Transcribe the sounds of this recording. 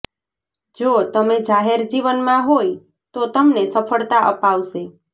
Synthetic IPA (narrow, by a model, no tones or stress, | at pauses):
d͡ʒot̪əmed͡ʒaɦeɾd͡ʒiʋənmãɦoj | t̪ot̪əmnesəfʰəɭt̪aʔəpaʋʃe